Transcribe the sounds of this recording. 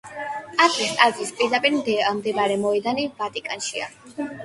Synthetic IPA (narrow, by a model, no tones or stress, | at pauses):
at̪ʼɾist̪ʼazispʼiɾd̪apʼiɾmd̪ɛamd̪ɛbaɾɛmɔɛd̪anivat̪ʼikʼanʃia̰